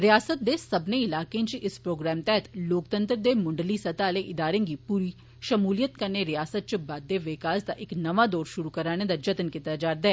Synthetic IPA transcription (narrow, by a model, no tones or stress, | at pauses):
ɾɪjaːsət̪̚d̪eːsəbneɪlaːkẽt͡ʃʔɪspɾoːɡɾɛːmt̪ɛɦət̪loːkt̪ə̃nt̪ɾd̪eːmʊɳɖəlisət̪aːleʔɪd̪aːɾẽːɡiːpuːɾiː | ʃəmuːlijət̪kəɾneːɾɪjaːsət̪̚t͡ʃəbaːd̪ːeːʋɪkaːsd̪aʔɪknɐʋaːd̪ɔːɾʃʊɾukəɾaːñed̪aːd͡ʒət̪nkɪt̪ːaːd͡ʒaːɾd̪ɛɛː